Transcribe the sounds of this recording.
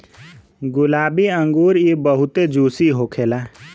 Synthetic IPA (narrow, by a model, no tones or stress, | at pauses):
ɡʊlaːbiə̃ŋɡuːɾibəɦʊt̪ed͡ʒuːsiɦoːkʰeːlaː